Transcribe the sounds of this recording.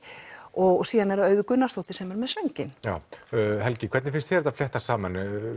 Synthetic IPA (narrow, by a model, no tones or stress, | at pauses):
ɔɣsiːðanɛɾaœːɥðʏkʏnːast̪ɔwht̪ɪsɛmɛɾmɛðsvɛɲcɪnjaːwɦɛlcɪkʰvɛɾt̪nɪfɪnst̪çɛɾt̪aflɛht̪asaːman